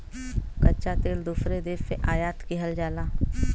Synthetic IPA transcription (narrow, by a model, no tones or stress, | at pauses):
kɐtːt͡ʃat̪eːld̪uːfɾed̪eːɾseʔaːjaːt̪kiɦəld͡ʒaːlaː